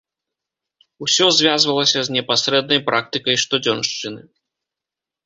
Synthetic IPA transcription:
usʲɔzʲvʲazvɐlˠɐsʲɐzʲnʲɛpasɾɛd̪nɐjpɾʔak̚t̪ɨkɐjʂt̪ɔd͡zʲɔnʂt͡ʂɨnɨ

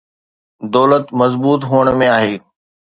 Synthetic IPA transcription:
d̪ɔːlət̪mɐzbuːt̪ɦuːəɽ̃mẽaːɦeː

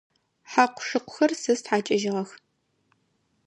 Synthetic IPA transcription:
ħaqʷʊ̥ʂɨqʷʊ̥xɐrsɨstħaːt͡ʃʼɐʒɪʁɐx

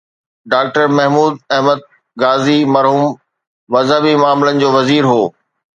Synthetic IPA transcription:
ɖaːk̚ʈəɾmɐɦmuːd̪̚ɐɦməd̪̚ | ɡaːzimɐɾɦuːm | mɐzɦəbimaːmɪlənɪ̆d͡ʑoːʋɐziːɾɦoː

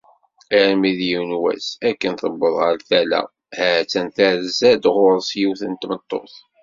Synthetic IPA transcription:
iɾmiðjiwnwæ̰sækːənθəbːəðˤʁəɾθælæ̰ | hæt͡sːænθæɾzæd̪ʁʊɾˤsjiwθənt̪mət̪ˤːo̰θ

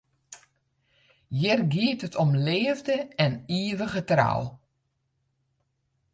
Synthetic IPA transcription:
jɪrɡiətətʰɔmleːəvdəɛniəʋəɣətra̰w

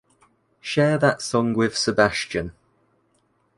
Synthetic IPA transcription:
ʃɛːðətsʌ̃ŋwɪð̥sɪbast͡ʃə̃n

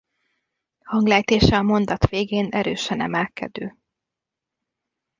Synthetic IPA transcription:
hɒŋɡlɛːjt̪eːʃɛɒmo̞nd̪ɒt̪ʋeːɡeːnɛɾøːʃɛnɛ̰mɛlkʰɛ̰d̪øː

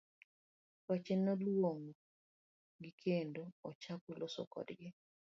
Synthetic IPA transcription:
wat͡ʃɛnɔlwoŋo | ɡikʰendoːt͡ʃakulosɔ̰kɔ̰dɡɪ

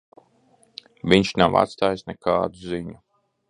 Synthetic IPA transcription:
viɲʃnava̰t̪st̪aːjisnɛka̰ːd̪uziɲu

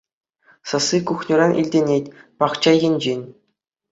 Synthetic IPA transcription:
sɤ̆sikuχnʲurɑnʲʔḭlʲdʲenʲetʲpɑχt͡ɕɑjɘ̆nʲd͡ʑenʲ

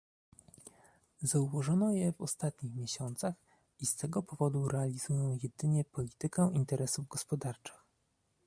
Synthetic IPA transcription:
zauvɔʐɔnɔjɛvɔst̪at̪ɲixmʲjeɕɔnt̪sax | ist̪ɛɡɔpɔvɔd̪uɾɛalʲizujɔ̃w̃jɛd̪ɘɲɛpɔlʲit̪ɘkɛint̪ɛɾɛsuvɡɔspɔd̪aɾt͡ʂɘ̥x

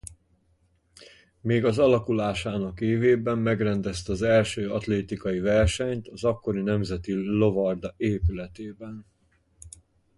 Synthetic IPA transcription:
meːɡɒzɒlɒkulaːʃaːnɒkeːveːbɛmːɛɡrɛnd̪ɛst̪ɒzɛlʃøːɒt̪leːt̪ikɒjivɛrʃɛɲt̪ɒzɒkːo̞ɾinɛmzɛt̪ilo̞vɒrd̪ɒeːpylɛt̪eːbɛn

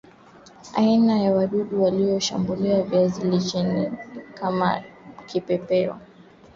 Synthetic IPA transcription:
a̰inajawaɗuɗuwalijɔʃa̰mbuliavjazilit͡ʃɛnḭkama̰kʰipɛpɛɔ̰

